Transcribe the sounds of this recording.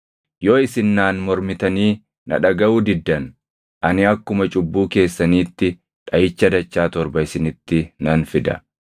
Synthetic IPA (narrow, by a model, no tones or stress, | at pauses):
joːɪsɪnːaːnmɔɾmɪt̪ɐniː | nɐ̰ᶑɐɡɐuːd̪ɪd̪ːɐn | ʔɐnɪɐkːʊmɐt͡ʃʼʊbːuːke̞ːsːɐniːt̪ːɪ | ᶑɐjɪt͡ʃːɐd̪ɐt͡ʃːaːt̪ɔɾbɐɪsɪnɪt̪ːɪnɐnfɪd̪ɐ̰